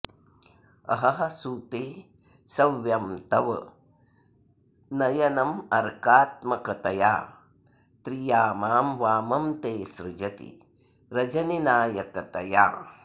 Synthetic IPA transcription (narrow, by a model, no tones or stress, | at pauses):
ɐ̰ɦɐɦɐsuːt̪eː | sɐʋjɐmʈ̪ɐʋɐ | nɐjɐnɐmɐɾkaːt̪mɐkɐt̪ɐja̰ː | t̪ɾijaːmaːmʋaːmɐmt̪eːsɾud͡ʒɐt̪ḭ | ɾɐd͡ʒɐninaːjɐkɐt̪ɐja̰ː